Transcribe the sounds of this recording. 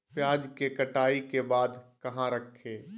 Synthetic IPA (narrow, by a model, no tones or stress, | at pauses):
pjaːd͡ʒkekəʈaːikebaːd̪kɐɦãɾəkʰːeː